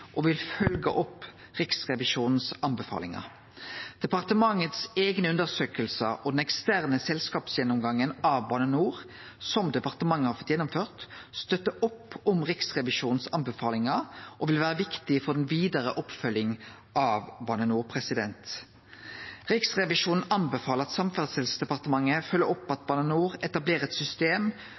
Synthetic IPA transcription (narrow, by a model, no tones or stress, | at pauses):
ʔɔʋɪlfœlɡə̰ʔɔpː | ʁɪksʁɛʋɪʂuːnn̩sɑnbəfɑ̰ːlɪŋɑ̰ | d̪̥ɛpɑʁt̪əmɑŋːət̪seːɡnəʉnd̪əʁsøːkəlsəʔɔd̪ɛnɛkst̪æʁnəsɛlskɑːpsjɛnʊmɡɑŋːənɑʋbɑnənuːʁ | sɔmd̪ɛpɑʁt̪əmɑŋːəhɑɾfɔt̪jɛnːʊmføːʁt̪st̪œt̪ːəʔʊpːɔmʁɪksʁɛʋɪʃuːnn̩sɑnbəfɑːlɪŋɑʔɔʋɪlʋæːʁəʋɪkt̪ɪfɔʁd̪ɛnʋiːd̪ɑʁəʔɔpfœljɪŋ | ʔɑːʋbɑnənuːʁpʰʁɛsɪd̪ɛ̰nt̪ | ʁɪksʁɛʋɪʂuːn̩ɑnbɛfɑːləʁɑt̪sɑmfəʁsɛlsd̪ɛpɑʁt̪əmɑŋːəfœlːəɾɔpːɑt̪̚bɑːnənuːʁɛt̪ɑbleːʁəɛt̪sʏst̪eːm